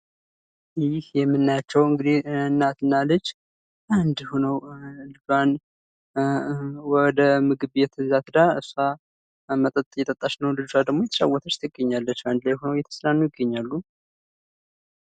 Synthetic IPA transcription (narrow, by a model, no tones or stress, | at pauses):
jɪhjɛmːɨnːajat͡ʃːɛwɨŋɡɨd̪ihɨnːat̪ɨnːalɨt͡ʃː | ʔand̪honəwɨlɡan | wɔd̪əmɨɡɨβjɛt̪ʰɨzat̪ɨd̪aɨsa | mət̪ʼət̪ʼjɛt̪ʼət̪ʼːat͡ʃnəwlɨdsad̪əɡmojɛt̪ʰə̥ʃa̰wɔt̪ʰət͡ʃt̪ʰɪɡːəɲːalːət͡ʃːand̪lajhonəwjɛt̪ʰə̥slanːujɪɡːəɲːalːu